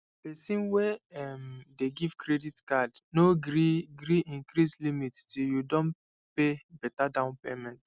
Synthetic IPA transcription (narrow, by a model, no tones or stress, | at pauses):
pɛsĩnwɛɛmdeɡiv̥kɾeditkadnoɡɾiɡɾiʔĩŋkɾislimittiljudõn | pebɛtadãʊ̃npemɛ̃nt